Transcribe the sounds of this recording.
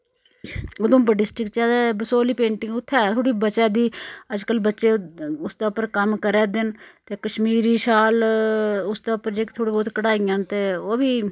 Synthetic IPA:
ʊd̪ʊmbəɖɪsʈɪkt͡ʃɛːd̪ɛːbəsoːliːpẽːɳʈɪŋɡʊt̪ʰːɛːt̪ʰoːɽiːbət͡ʃɛːd̪iːəd͡ʒkəlbətːʃeːʊsd̪eːʊpːəɾkəmkəɾɛːd̪ɪnt̪eːkəʃmiːɾiːʃaːl | ʊsd̪eːʊpːəɾd͡ʒeːkt̪ʰoːɽiːbɔːt̪kəɽaːijãːnt̪eːoːbiː

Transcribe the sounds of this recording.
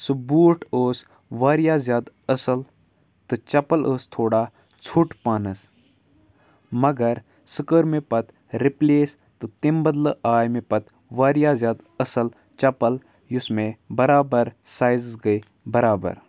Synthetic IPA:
subuːʈʰoːs | ʋaːɾijaːzjaːd̪ | ɐsɐl | t̪ɨt͡ʃɐpəlʔoːst̪ʰoːɽaː | t͡sʰuʈpaːnəs | mɐɡɐɾ | sɨkəɾmẽpɐt̪ | ɾɪpleːs | t̪ɨt̪imbɐd̪ləʔaːjmẽpɐt̪ | ʋaːɾijaːzjaːd̪ | ɐsɐl | t͡ʃɐpɐl | jʊsmẽbɐɾaːbəɾsaːjzsɡɐi | bɐɾaːbə̰ɾ

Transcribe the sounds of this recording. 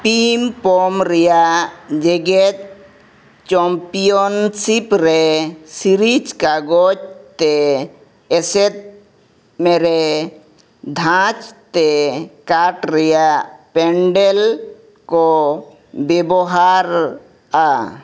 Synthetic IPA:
pimpomɾejad͡ʒeɡet̪ | t͡ʃɔmpijonsipɾesiɾit͡ʃkaɡod͡ʒt̪e | eset̪̚ | meɾe | d̪ʱãt͡ʃt̪ekaʈɾejapeɳɖel | ko | beboɦaɾ | a

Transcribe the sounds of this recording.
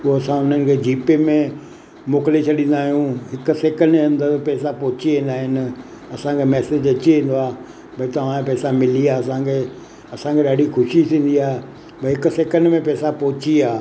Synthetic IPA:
uoɐsãʊn̤ənɪ̆kʰeːd͡ʑiːpemẽ | moːklet͡ɕʰɐɗĩːn̆d̪aːɦijũɦɪkʊ̆seːkə̃nɖɐ̃nd̪əɾpɛːsapɔɦʊt͡ɕiʋĩːn̆d̪aːɦɪnɪ̆ | ɐsãkʰemɛːsed͡ʑɐt͡ɕiʋẽːn̆d̪oaː | bʱɐit̪ɐʋãẽpɛːsamɪliaːɐsãkʰe | ɐsãkʰeɗaːɖʱixʰʊʃisĩːn̆d̪iaː | bʱɐɦɪkʊ̆seːkə̃nɖmẽpɛːsapɔɦʊt͡ɕiaː

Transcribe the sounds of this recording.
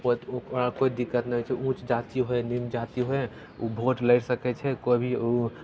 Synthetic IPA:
pot̪ooakoid̪ikːət̪nəɦot͡ʃʰɛũt͡ʃd͡ʒat̪iɦoenimd͡ʒat̪iɦoe | ubʱoʈləɪʈsəkɛt͡ʃʰɛkobʱio

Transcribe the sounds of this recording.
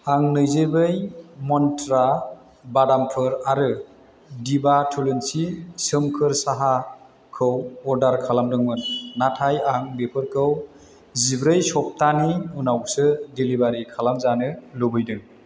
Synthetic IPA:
aŋnɯjzɯbɯjmɔntɾa | badampʰɯɾaɾɯ | dibatʰulɯnsisɯmkʰɯɾsaɦa | kʰɯwɔɾdaɾkʰalamdɯŋmɯnːatʰajaŋbepʰɯɾkʰɯw | zibɾɯjsɔp̚taniunawsɯdilibaɾikʰalamzanɯlubɯjdɯŋ

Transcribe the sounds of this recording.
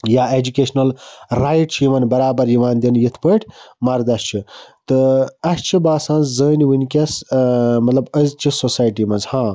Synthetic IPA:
jaːed͡ʒukeːʃnɐlɾaːjʈt͡ʃʰimɐnbɐɾaːbɐɾjiʋaːnd̪injit̪ʰpəʈʰʲmɐɾd̪ɐst͡ʃʰit̪ɨɐst͡ʃʰibaːsãːnzzəːniwinʲkʲɐsmɐt̪lɐbəzt͡ʃʰisosaːjʈimɐnzhãː

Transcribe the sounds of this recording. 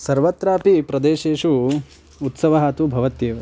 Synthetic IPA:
sɐɾʋɐt̪ɾaːpipɾɐd̪eːʃeːʂu | ut̪sɐʋɐɦaːt̪ubʱɐʋɐt̪jeːʋ

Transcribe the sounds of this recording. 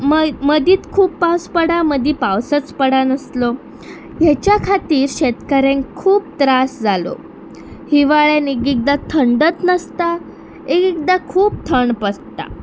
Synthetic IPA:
mməd̪ʱiːt̪kʰuːpːawspəɽaməd̪ʱiːpawsət͡spəɽanəslɔ | ɦjat͡ɕjakʰat̪iːɾɕet̪kəɾẽnkʰuːp̚t̪ɾasd͡zalo̰ | hiʋaɭjanekiɡ̚d̪at̪ʰəɳɖət̪nəst̪a | eɡik̚d̪akʰuːp̚t̪ʰəɳpəst̪a̰

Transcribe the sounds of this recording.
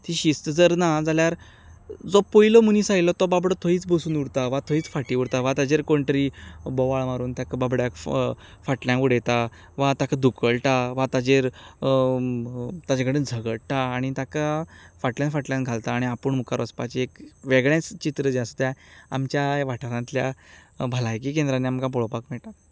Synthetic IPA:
t̪ʰiɕist̪əd͡zəɾnad͡zaljaɾ | d͡zopojlɔmuniːsajlɔt̪ɔbabɽɔt̪ʰoiːt͡sbosuːnuɽt̪aʋat̪ʰoiːt͡sfaʈiuɽt̪aʋat̪ad͡ʑeɾkoɳʈɾibɔʋaɭmaɾuːnt̪akababɽjãkfaʈljãkuɽet̪a | ʋat̪akʰad̪ʱukəɭʈaʋat̪ad͡ʑeɾ | t̪ad͡ʑaɡəɽənd͡zʱəɡəɽʈaːɽ̃it̪akafaʈljãnfaʈljãnɡʱalt̪aːɽ̃iapəɳmukaɾʋəspat͡ɕiekʋeɡɭãt͡st͡ɕit̪ɾəd͡ʑast̪jaa̰mt͡ɕjaʋaʈʰaɾãnt̪lja̰bʱəlajk̬ikẽnd̪ɾanːiamkap̬ɔɭopakmɛɭʈat

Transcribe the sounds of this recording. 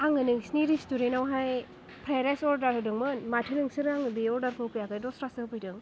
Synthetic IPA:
aŋɯnɯŋsniɾistuɾenawɦaj | pʰɾaɾasɔɾdaɾhɯdɯŋmɯnmatʰɯnɯŋsɯɾaŋɯbeɔɾdaɾkʰɯwkɯjakajdɔsɾasɯpʰɯjdɯŋ

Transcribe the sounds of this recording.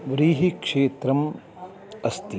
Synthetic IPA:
ʋɾiːɦikʂeːt̪ɾɐm | ɐst̪i

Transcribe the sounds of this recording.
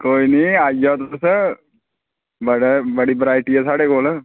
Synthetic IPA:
koːiniːaːijaːt̪ʊse | bəɽebəɽiːbɾaːɪʈiɦɛːsaːɽekoːlə

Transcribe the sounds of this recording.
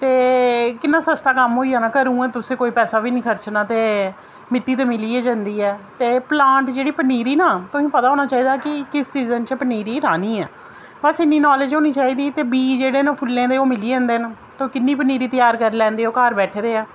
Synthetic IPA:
t̪eːkɪnːaːsəst̪aːkəmɦoːiːaːnaːkəɾũːɛ̃ːt̪ʊsẽːkoːiːpɛːsaːbiːnĩːkʰəɾt͡ʃnaːt̪eː | mɪʈ̪ːiːt̪̬eːmɪliːɛːd͡ʒãnd̪iːɛːt̪eːplãːɳʈd͡ʒeːɽiːpəniːɾiːnaːt̪ʊsĩːpət̪aːɦoːnaːt͡ʃaːiːd̪aːkɪkɪst͡ʃiːzənt͡ʃəpəniːɾiːɾaːniːɛː | bəsɪnːiːnɔːled͡ʒɦoːniːt͡ʃaːiːd̪iːt̪eːbiːd͡ʒeːɽeːnẽːpʰʊlːẽːd̪eːoːmɪliːɛ̃ːnd̪eːn | t̪õːkɪnːiːpəniːɾiːt̪əjaːɾkəɾlɛ̃ːnd̪eːoːkaːɾbɛːʈʰeːd̪eːaː

